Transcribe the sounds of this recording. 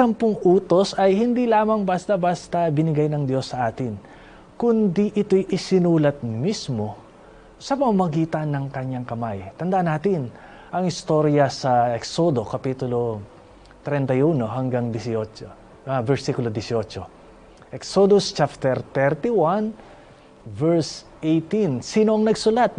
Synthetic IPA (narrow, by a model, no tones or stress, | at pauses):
sɐmpʊŋʔuːt̪o̞sɐjhɪnd̪ilaːmɐŋbast̪ɐbast̪ɐbɪnɪɡajnɐŋd̪jo̞sːɐʔaːt̪ɪn | kʊnd̪iʔɪt̪o̞jʔɪsɪnuːlɐt̪̚mismo̞ | sɐpɐŋɐmɐɡiːt̪ɐnːɐŋkɐɲːaŋkɐmajt̪ɐnd̪ɐʔanːaːt̪ɪn | ʔɐŋɪst̪o̞ɾjɐsɐɛksod̪o̞kɐpit̪ʊlo̞ | t̪ɾɛnt̪ɐjuːno̞ɦɐŋɡaŋd̪ɪsot͡ʃo | vɛɹsikʊlod̪ɪsɪot͡ʃo | ʔɛksod̪ʊst͡ʃap̚t̪ɛɾt̪ɛɾt̪ɪwan | vɛɹs | ʔejt̪insiːnoʔɐŋnɐɡsʊlat̪̚